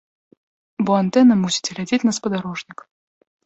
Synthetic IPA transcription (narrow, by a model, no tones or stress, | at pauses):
bɔant̪ɛnɐmusʲi̥t͡sʲɛɣlʲad͡zʲet͡sʲnɐspɐd̪aɾɔʐnʲik